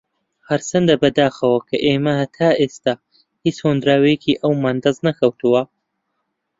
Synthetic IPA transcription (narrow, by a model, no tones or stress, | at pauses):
hɐɾsɐnd̪ɐbɐd̪aːxɐwɐkʰɐʔeːmɐhɐt̪ʰaːeːst̪aː | hit͡shoːnd̪ɾaːwɐjecʰiʔɐwmaːnd̪ɐznɐkʰɐwt̪ʰuwɐ